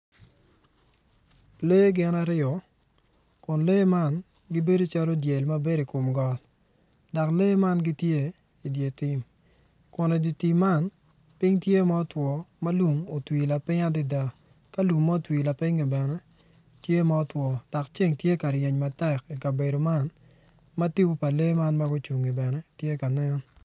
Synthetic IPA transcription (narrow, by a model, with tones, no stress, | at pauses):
le˦ɡɪ˨na˦ɾɪ˦ɔ˨ | kʊ˨nle˦ma˦n | ɡɪ˦be˦do˦t͡ʃa˦lo˦dje˨lma˦be˦ɾi˨ko˨mɡɔ˨l | da˨kle˦ma˦nɡi˦tje˦ | i˨dje˨tɪ˦m | kʊ˨nɛ˨di˨ti˨ma˦˨n | pɪ˦ŋtje˦ma˦ɔ˦twɔ˨ma˦lu˨ŋo˨twi˨la˨pɪ˦ŋa˦di˦da˨ | ka˦lu˨ŋma˦o˦twi˨la˨pɪ˦ŋi˨bɛ˨nɛ˦ | tje˦ma˦ɔ˦twɔ˨d̥ɔ˨kt͡ʃe˦ŋtje˦ka˨ɾje˨ɲma˨tɛ˦˨ki˨ka˨be˨do˨ma˦n | mɐ˦ti˦wo˦pa˨le˦ma˦nma˦ɡʊ˦t͡ʃu˨ŋi˨bɛ˨nɛ˦tje˦ka˨nɛ˦n